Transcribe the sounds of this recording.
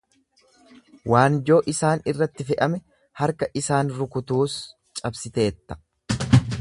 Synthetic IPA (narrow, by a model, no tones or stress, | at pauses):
waːnd͡ʒo̞ːʔɪsaːnɪrːɐt̪ːɪfɛʔɐmɛ | hɐɾkɐʔɪsaːnɾʊkʊt̪uːs | t͡ʃʼɐbsɪt̪e̞ːt̪ːɐ̥